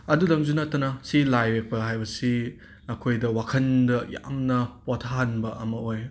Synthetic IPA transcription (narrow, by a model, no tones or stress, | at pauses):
ɐdudɐŋzunɐtːɐnɐsilajwek̚pɐɦajbɐsi | ɐkʰojdɐwakʰɐndɐja̰mnɐpotʰaɐnbɐɐmɐoj